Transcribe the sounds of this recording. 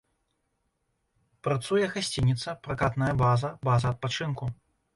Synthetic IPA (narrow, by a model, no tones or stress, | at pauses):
pɾat̪sujɛɣasʲt͡sʲinʲit̪sɐpɾakat̪nɐjɐbazɐbazɐɐt̪̚pat͡ʂɨnku